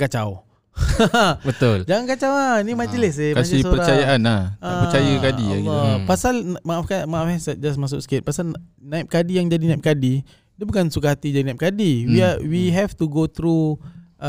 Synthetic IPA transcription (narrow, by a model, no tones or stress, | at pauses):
kat͡ʃaw | bət̪ʊld͡ʒaŋankat͡ʃawanimad͡ʒəlɛs̬ekasispoəɾat͡ʃajaanaaət͡ʃajakadiapasalmaʔfkamafɛsad͡ʒasmas̬ʊksket̪̚pasalnaɪp̚kadijaŋd͡ʒadinãip̚kadi | dəbukansukaɦat̪id͡ʒadinãɪp̚kadiwiawiɦɛft̪uɡot̪ɾu